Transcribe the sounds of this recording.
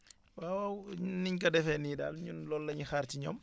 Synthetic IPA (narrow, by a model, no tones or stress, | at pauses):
wawawɲniɲkɐdɛfɛniːda̰ːlɲunlɔlːɐɲixaːɾtiɲɔm